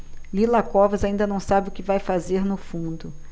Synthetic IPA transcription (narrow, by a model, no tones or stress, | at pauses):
lilakɔvɐzaĩnd̪ɐnɐ̃w̃sabɪʊkɪvajfazeɾnʊfũnd̪ʊ